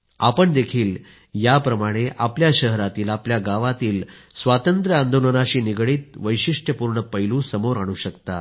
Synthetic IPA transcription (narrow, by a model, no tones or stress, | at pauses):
apəɳd̪ekʰiːl | japɾəmaɽ̃eʔapljaɕəɦɾat̪iːlapljaɡaʋat̪iːl | sʋat̪ənt̪ɾəand̪olənaɕiːniɡɽiːt̪̚ʋəjɕiʂʈʰjəpuɾɳəpəjlũːsəmoɾaɽ̃uɕəkt̪a